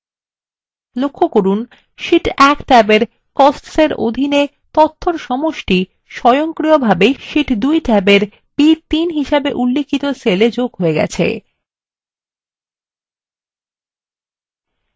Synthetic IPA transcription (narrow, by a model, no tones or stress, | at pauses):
lokʰːokoɾun | ʃiʈɛkʈɛbeɾ | kɔsʈseɾo̰d̪ʱine | t̪ɔt̪ʰːoɾʃɔmoʃʈi | ʃɔjoŋkɾiobʱabeʃiʈd̪ujʈɛbeɾ | pit̪inɦiʃabeʔulːikʰit̪oseled͡ʑoɡɦoeɡɛ̰t͡ɕʰḛ